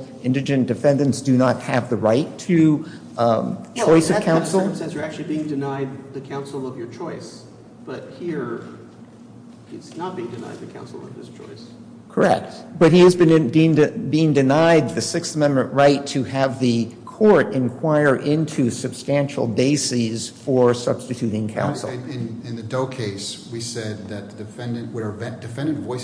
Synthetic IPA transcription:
ɪ̃ndɨd͡ʒɨ̃nd̥ɨfɛ̃ndɨ̃ntsd̥ɨnət̚hɨvðɨɹaɪtʰɨ | t͡ʃʰɔɪsʌvkʰãʊ̃nsl̩ˠsɛzjə˞æk̚t͡ʃʉl̩ˠibiɪ̃ŋdɨnaɪd̪̚ðɨkʰãʊ̃nsl̩ˠʌvjə˞t͡ʃʰɔɪs | b̥ʌt̚hiɹ | iznət̚b̥iɪ̃ŋdɨna̰ɪd̪̚ðɨkʰã̰ʊ̃nsl̩ˠʌ̰v̥ɪz̥t͡ʃʰɔ̰ɪs | kʰə˞ɛ̰k̚t̚b̥ʌt̚hiɨzbɨ̃nĩnɨbiɪ̃ŋdɨnaɪd̪̚ðɨsɪksəmɛ̃mmɨ̃nʔɹaɪtʰɨɨvðɨkʰɔɹɾɨ̃nkʰw̥aɪə˞ʔɪ̃ntʰʉsɨb̥stæ̃nʃl̩ˠbeɪsiz̥fə˞sʌ̰b̥stɨtʰʉɾɪ̃ŋkʰã̰ʊ̃nsl̩ˠɪ̃nɪ̃nðɨdoʊkʰeɪswisɛd̪̚ðɨt̪̚ðɨdɨfɛ̃ndɨ̃nwəə˞vɛd̥ɨfɛ̃ndɨ̃nvɔɪ

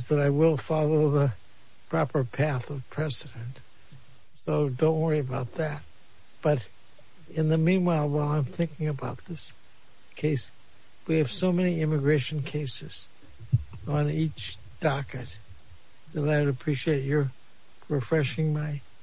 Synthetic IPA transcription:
zðɨɾaɪwɪlˠfɑlˠoʊðə | pʰɹ̥ɑpə˞pʰæθʌv̥pʰɹ̥ɛzɨɾɨ̃nt | soʊdõʊ̃nʔ̚wʌɹiɨbaʊt̪̚ðæt̚ | b̥ʌɾ | ɨ̃nðɨmĩnwaɪlˠwaɪlˠãɪ̃mθɪ̃ŋkɪ̃ŋɨbaʊt̪̚ðɪs | kʰeɪs | wiɨv̥soʊmɛniɪ̃mɨɡɹeɪʃɨ̃n̩kʰeɪsɨz̥ | ə̃n̩it͡ʃ | d̥ɑkɨt̚ | ðɨɾaɪwɾɨpʰɹ̥iʃieɪt͡ʃə˞ | ɹɨfɹɛʃɪ̃ŋmaɪ

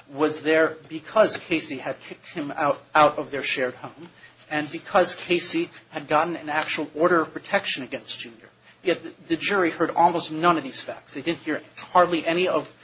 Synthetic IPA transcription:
wʌzðə˞bɨkʰʌz̥kʰeɪsiɨd̚kʰɪk̚t̚hɨ̃ma̰ʊɾaʊɾʌvðə˞ʃɛɹd̚hõʊ̃mɨ̃nbɨkʰʌz̥kʰeɪsiɨd̚ɡɑʔn̩ɨ̃næk̚t͡ʃuwl̩ˠɔɹɾə˞ʌv̥pʰɹ̥ɨtʰɛkʃɨ̃nɨɡɛ̃nsd̥ʒ̥ʉ̃njə̰˞ | jɛt̪̚ððɨd͡ʒʊɹihɜ˞ɾɔ̰lˠmoʊstnʌ̃nʌvðiz̥fæ̰k̚tsðeɪdɪdⁿn̩thiɹhɑɹdˡliʔɛñiʌv̥

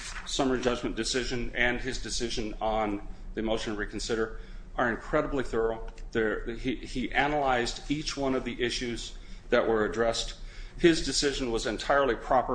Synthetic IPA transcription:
sʌmə˞d͡ʒʌd͡ʒmɨ̃nd̥ɨsɪʒɨ̃nɨ̃nɪzdɨsɪʒɨ̃nən̩ðɨmoʊʃn̩ɹikn̩sɪɾə˞ | ə˞ɨ̃nkʰɹ̥ɛɾəbliθɜ˞l̩ˠðə | iʔænəlaɪzdit͡ʃwʌ̃nʌvðiʔɪʃʉz | ðɨʔwə˞ɨdɹɛsthɪzdɨsɪʒɨ̃n̩wʌzɨ̃ntʰaɪə˞lˠipʰɹ̥ɑpə˞

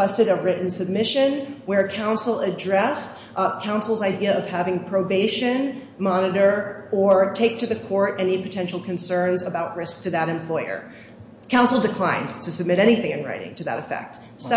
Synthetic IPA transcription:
ɛstɨɾəɹɪʔn̩sɨb̚mɪʃɨ̃nwə˞kʰãʊ̃nsl̩ˠɨdɹɛs | kʰãʊ̃nsl̩ˠzaɪdiɨʌv̥hævɪ̃ŋpʰɹ̥oʊbeɪʃɨ̃n | mɑnɨɾə˞ə˞tʰeɪk̚tʰɨðɨkʰɔɹɾɛnipʰɨtʰɛ̃nʃl̩ˠkʰɨ̃nsɜ̃˞nzəbaʊʔ̚ɹɪsk̚tʰɨðɨɾɨ̃mpʰl̥ɔɪə̰˞ | kʰãʊ̃nsl̩ˠdɨkʰl̥ãɪ̃ntʰɨsɨb̚mɪɾɛɾ̃iθɪ̃ŋɨ̃nɹa̰ɪɾɪ̰̃ŋtʰɨðɨ̰ɾɨfɛ̰k̚t̚ | sɛ

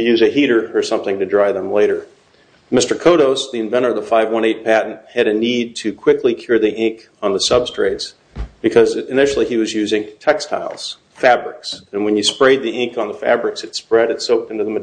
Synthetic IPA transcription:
ɨjʉzɨhiɾə˞ə˞sʌ̃mθɪ̃ŋtɨdɹaɪðə̃mleɪɾə˞ | mɪstə˞kʰoʊɾoʊsðiɨ̃ɱvɛ̃ɾ̃ə˞ʌvðəfaɪvwʌ̃ñeɪt̚pʰæʔn̩t̚hɨɾɨnid̚tʰɨkʰw̥ɪkʰlikʰj̥ʊɹðiʔɪ̃ŋk | n̩ðəsʌb̥stɹ̥eɪts | b̥ɨkʰʌzɨnɪʃl̩ˠiiwʌzjʉzɪ̃ŋtʰɛkstʰa̰ɪlˠz̥ | fæbɹɪksɨ̃nwɨ̃njɨspɹeɪd̪̚ðiʔɪ̃ŋkn̩ðəfæ̰bɹɨksɨtspɹɛɾɨtsoʊk̚tɪ̃ntʉðə̃m

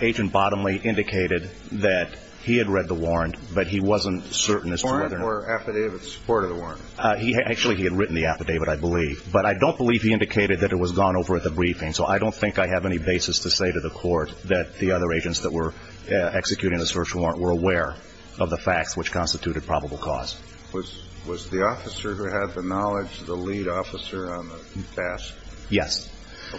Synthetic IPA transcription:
eɪd͡ʒɨ̃nb̥ɑɾə̃mliʔɪ̃ndɨkʰeɪɾɨd̪̚ | ðɨt̚ | hiɨd̚ɹɛd̪̚ðəwɔɹɨ̃ntb̥ʌt̚ɦiwʌzə̃ntsɜ˞ʔn̩ɨz̥tʰwɛðə˞ə˞æpɨdeɪvɨspʰɔɹɾʌvðəwɔɹɨ̃ntiʔæk̚t͡ʃʉl̩ˠiiɨd̚ɹɪʔn̩ðiæpɨdeɪvɨɾaɪbəlivbʌɾaɪdõʊ̃nb̥əliv̥iɪ̃ndɨkʰeɪɾɨd̪̚ðɨɾɨt̚wʌzɡɔ̃noʊvə˞ɨt̪̚ðəbɹifɪ̃ŋsoʊʔa̰ɪɾõʊ̃nθɪ̃ŋkaɪɨvɛñibeɪsɨstʰɨseɪɾɨðəkʰɔɹt̪̚ðɨt̪̚ðiʌðə˞eɪd͡ʒɨ̃ntsðət̚wə˞ | ɛksɨkʰjʉɾɪ̃ŋðɨsɜ˞ʃ̩ˠwɔ̃ɹə̃nwə˞əwɛɹ | ʔʌvðəfæk̚tswət͡ʃkʰɑ̃nstɨtʰʉɾɨd̚pʰɹ̥ɑbəbl̩ˠkʰɔ̰z̥ | wʌz | wʌzðiɔfɨsə˞hʉɨd̪̚ðɨnɑlˠɪd͡ʒðəliɾɔfəsə̃˞nðətʰæskjɛs

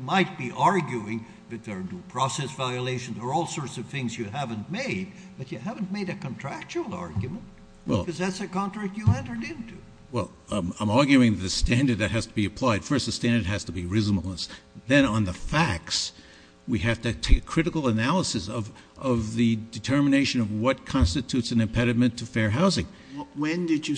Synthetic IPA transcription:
maɪt̚b̥iʔɑɹɡjuɪ̃ŋ | ðɨt̪̚ðə˞nupʰɹ̥ɔsɛsvaɪɨleɪʃɨ̃n̩zə˞ɔlˠsɔɹtsʌv̥θɪ̃ŋzjɨɦævɨ̃nmeɪd̚b̥ʌt͡ʃɨhæṽnmeɪɾɨkə̃ntʰɹ̥æk̚t͡ʃul̩ˠɑ̰ɹɡjɨmə̃nt̚ | wɛ̰lˠkʌzðætsɨkɑ̃ntʰɹ̥æk̚tɨɛ̃ntə˞ɾɪ̃ntʰu | wɛl̃ˠ | mãɪ̃mɑɹɡjʉɪ̃ŋðɨt̪̚ðɨstæ̃ndə˞d̪̚ðɨt̚ɦɨz̥tʰəbiɨpʰl̥aɪd̥fɜ˞st̪̚ðəstæ̃ndə˞d̚ɦæz̥təbiɹɪzm̩l̩ˠəsðɨ̃nə̃nðəfæk̚s | wiɦæftɨtʰeɪkʰɹ̥ɪɾɨkl̩ˠənælˠəsɨsʌv | ʔʌvðɨdɨtʰɜ˞mɨneɪʃɨ̃nʌvwʌt̚kʰɑ̃nstɨtʰʉtsɨ̃nɨ̃mpʰɛɾɨmɨ̃ntʰɨfɛɹɦaʊzɪ̃ŋ | wɨ̃ndɨd͡ʒɨ

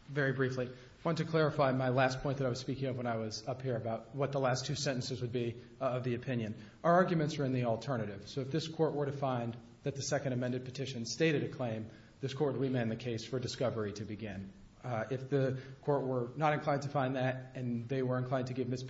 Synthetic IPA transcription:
vɛɹibɹifli | wɑ̃ntɨkʰl̥ɛɹɨfaɪmaɪlæspʰɔ̃ɪ̃nðəɾaɪwʌz̥spikɪ̃ŋʌvwə̃ñaɪwʌzʌphiɹɨbaʊt̚wʌt̪̚ðəlæstʰʉsɛ̃ɾ̃ɨ̃n̩sɨzwɨd̚bi | ʌvðiɨpʰɪ̃njɨ̃n | əə˞ɑɹɡjmɨ̃ntsə˞ɨ̃nðil̩ˠtʰɜ˞nɨɾɪv̥soʊɨfðɪskʰɔɹʔ̚wə˞ɾɨfãɪ̃n | ðɨt̪̚ðɨsɛkɨ̃n̩dɨmɛ̃ndɨd̚pʰɨtʰɪʃɨ̃nsteɪɾɨɾɨkʰl̥ẽɪ̃m | ðɪskʰɔɹt̚ɹimɨ̃nðɨkʰeɪsfə˞dɨskʌvə˞iɾɨbɨɡɪ̃n | ɪfðɨkʰɔɹʔ̚wə˞nəɾɨ̃nkʰl̥ãɪ̃ntʰɨfãɪ̃nðɨɾɨ̃nðeɪwə˞ɨ̃nkʰl̥ãɪ̃ntʰɨɡɪvmɪs

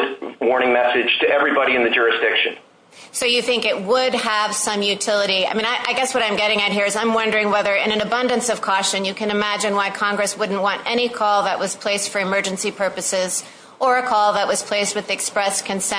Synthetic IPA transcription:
wɔɹñɪ̃ŋmɛsɨd̥ʒ̥tʰɨʔɛvɹibɑɾiɨ̃nðɨd͡ʒʊɹɨsd̥ɪkʃɨ̰̃n | soʊjɨθɪ̃ŋkɨt̚wəd̚əv̥sʌ̃mjʉtʰɪlˠəɾia̰ɪmĩnaɪʔaɪɡɛswʌɾãɪ̃mɡɛɾɪ̃ŋɨt̚ɦiɹɨzãɪ̃mwʌ̃ndə˞ɪ̃ŋwɛðə˞ɨ̰̃nɨ̃nɨbʌ̃ndɨ̃nsʌv̥kʰɔʃɨ̃njɨkʰɨ̃nɨmæd͡ʒɨ̃nwaɪkʰɑ̃ŋɡɹɨswʊdⁿn̩ʔwɑ̃ntɛɾ̃ikʰɔlˠðəʔ̚wʌz̥pʰl̥eɪstfə˞ɨmɜ˞d͡ʒɨ̃n̩sipʰɜ˞pɨsɪz | ʔə˞ɨkʰɔlˠðət̚wʌz̥pʰl̥eɪst̚wɨðiɨkspɹɛskʰɨ̃nsɛ̃

